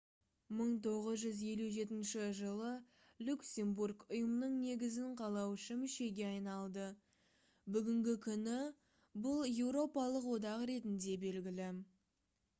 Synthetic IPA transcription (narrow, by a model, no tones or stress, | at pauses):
məɴt̪ʰo̞ʁəzʒʏzje̞luʒe̞t̪ɪnʃɪʒəlˠə | lʲuksʲe̞mburɡʊjəmnəɴne̞ɡʲɪzɪɴqʰɑlˠɑwʃəmʏʃe̞ɡʲe̞ɑjnɑlˠd̪ə | bʏɡʲɪŋɡʲɪkʲʰʏnɪ | bʊlˠje̞wɾo̞pɑlˠəqwo̞d̪ɑqɾe̞t̪ɪnd̪e̞be̞lɡʲɪlɪ